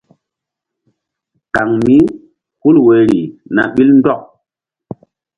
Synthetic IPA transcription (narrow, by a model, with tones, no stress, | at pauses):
ka˨ŋmi˦ | hu˦lwe˨ɾi˨na̰˨ɓi˦ln˦dɔ˦˨k̚